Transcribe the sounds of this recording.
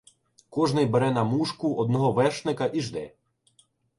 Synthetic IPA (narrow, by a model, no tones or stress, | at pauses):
kɔʒnɪjbeɾɛnɐmuʃkʊʔɔd̪̚nɔɦɔʋɛʃnɪkɐʔiʒd̪ɛ̰